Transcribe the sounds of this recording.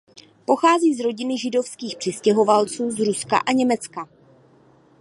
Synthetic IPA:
po̞xaːziːzɾo̞ɟɪnɪʒɪdo̞fskiːxpr̥ɪscɛɦo̞valt͡suːzɾuska̰ʔaɲɛmɛt͡ska

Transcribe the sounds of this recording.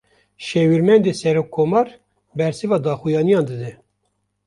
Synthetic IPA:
ʃɛwiɾmɛnd̪eːsɛɾoːkʰːomɑːɾ | bɛɾsɨvɑːd̪ɑːxujɑːnijɑːnd̪ɨd̪ɛ

